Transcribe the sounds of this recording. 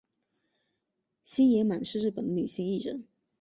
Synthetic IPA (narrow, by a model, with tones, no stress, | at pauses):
ɕi˥njɛ˧˥ma˨˩nʂɻ̩˥˧ɻ̩˥˩pə˨˩nd̪ə˦ny˨˩ɕi˥˧ŋi˥˩ɻə̰˧˥˦n